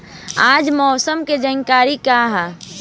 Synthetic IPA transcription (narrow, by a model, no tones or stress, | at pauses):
aːd͡ʒmɔːsəmked͡ʒəŋkaːɾikaɦɛ